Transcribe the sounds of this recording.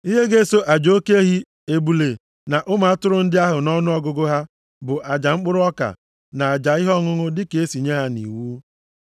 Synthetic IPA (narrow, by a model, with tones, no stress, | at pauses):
i˦ɦe˦ɡe˦so˦ʔa˨d͡ʒo˦ke˦ɦi˦ | e˨bu˨le˨ | na˨ʔʊ˦ma˨a˦tʊ˦ɾʊ˦n̩˦dɪ˦a˦ɦʊ˨nɔ˦nʊ˦ɔ˦ɡʊ˦ɡʊ˦ɦa˦ | bʊ˨ʔa˨d͡ʒa˨ŋ͡m̩˦k͡pʊ˦ɾʊ˦ɔ˦ka̰˨ | na˨a˨d͡ʒa˨ɪ˦ɦɔ˦ŋʊ˦ŋʊ˦dɪ˦ke˨e˦si˨ɲe˦ɦa˦nḭ˨wuː˦